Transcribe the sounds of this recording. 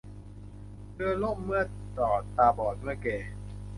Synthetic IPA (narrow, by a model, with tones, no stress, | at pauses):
dɯː˧lo˥˩p̚mɯ˥˩ɐ | t̪ɔː˨˩t̪aː˧bɔː˨˩t̪̚mɯ˥˩əkeː˧˩